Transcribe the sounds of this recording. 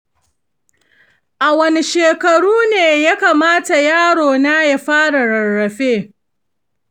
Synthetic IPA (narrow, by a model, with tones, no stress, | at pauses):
ʔa˨wɐ˦ne˨ʃeː˨kɐ˨ɽuː˦neː˨ja˦kaː˨maː˦ta˨jaː˦ɽoː˨naː˦ja˦ɸaː˦ɽa˨ɽɐ˨rːɐ˨ɸeː˦˨